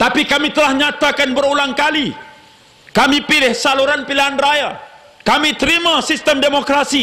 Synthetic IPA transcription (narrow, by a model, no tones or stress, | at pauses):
t̪apikamit̪əlahɲat̪akanbəɾulaŋkali | kamipilɪhsaluɾanpiliɦanraja | kamit̪əɾimasist̪əmdemokɾasi